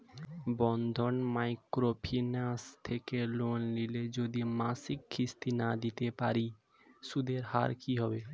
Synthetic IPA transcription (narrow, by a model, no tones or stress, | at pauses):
bɔnd̪ʱonmajkɾopʰinast̪ʰekelonliled͡ʑod̪imasikkʰːist̪inad̪it̪epaɾi | ʃud̪eɾha̰ɾkiɦɔbe